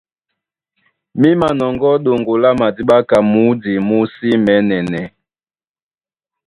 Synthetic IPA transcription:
mi˦ma˨nɔ˨ŋɡɔ˦ɗo˨ŋɡo˨la˦ma˨di˦ɓa˦ka˨mu˨˦di˨mu˦si˦mɛ˨˦nɛ˨nɛ˨

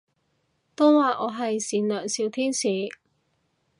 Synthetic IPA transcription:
t̪o˥wwaː˨ʔɔː˨˧ɦɐ˨jsiː˨˥nlœː˨˩ŋsiː˧wt̪ʰiː˥nsiː˨˧

